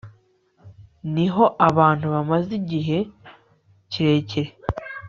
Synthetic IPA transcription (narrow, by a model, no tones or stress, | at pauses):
niɦo̞ʔaβaːntuβamaziɟiɦe̞ | ciɾe̞ːceɾe